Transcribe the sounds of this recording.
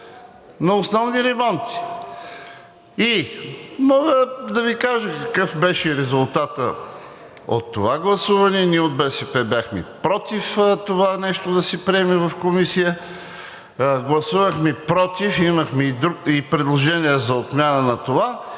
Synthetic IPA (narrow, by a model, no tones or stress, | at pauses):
nɐosnɔvniɾɛmɔnt̪i̥ | i | mɔɡəd̪ɐvikaʒəkɐkɤfbɛʃɛɾɛzʊlˠt̪at̪ə | o̰t̪ːovaɡlˠɐsuvɐnɛniɛod̪̚bɛsɛpɛbjaxmɛ̰pɾɔt̪ift̪ovanɛʃt̪od̪ɐsɛpɾiɛmɛvɐfkomisijə | ɡlˠɐsuvəxmipɾɔt̪ifimɐxmɛid̪ɾuipɾɛd̪lˠoʒɛniɛzɐot̪mʲjanənɐt̪ova